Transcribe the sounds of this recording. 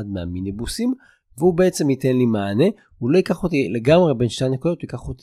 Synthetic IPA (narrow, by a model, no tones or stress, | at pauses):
ad̪mea̰minebusim | veubeet͡se̞mit̪enlimaːne̞ | ulo̞ikaχot̪ile̞ɡamʁebe̞nʃtejnekodot̪uikaχot̪i